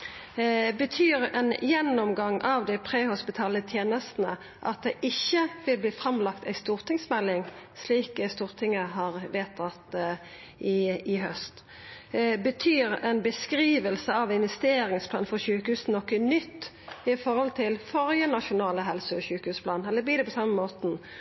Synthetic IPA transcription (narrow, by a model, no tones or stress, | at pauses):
bət̪ʰyːɾɛ̰njɛnːɔmɡɑŋʔɑʋd̪ɪpʰʁeːhʊspɪt̪ʰɑːlət̪ʰjeːnəst̪n̩ə | ʔɑ̰t̪̚d̪ɛʔɪçːəʋɪlbliːfɾɑmlɑkt̪æɪst̪uːʁt̪ɪŋsmɛlːɪŋsliːkst̪uːʁt̪ʰɪŋːəɦɑʁʋeːt̪ʰɑt̪ | ɪɪɦœst̪ | bət̪ʰyːɾɛnbəskɾiːʋəlsəɑʋɪnʋɛst̪eːɾɪŋspʰlɑːnfɔʁɕʉːkəhʉːsn̩ɔkːənʏt̪ː | ɪfɔʁhɔlt̪ʰɪlfɔʁjənɑʃʊnɑːləɦɛlsəɔçʉːkəhʉːspʰlɑːnɛlːəb̪iːd̪ɛpʰɔsɑːmːəmoːt̪n̩